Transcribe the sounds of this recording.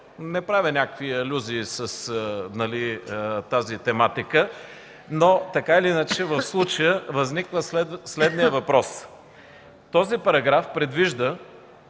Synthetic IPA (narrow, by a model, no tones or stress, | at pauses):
nɛpɾavʲinʲakəkviɐlʲuziːsəsnɐliət̪azit̪ɛmat̪ikə | not̪ɐkailiinət͡ʃɛvəfslˠut͡ʃəjəvɐznikvəslɛd̪slɛd̪nijəvɐpɾɔs | t̪ɔzipɐɾɐɡɾafpɾɛd̪viʒd̪ə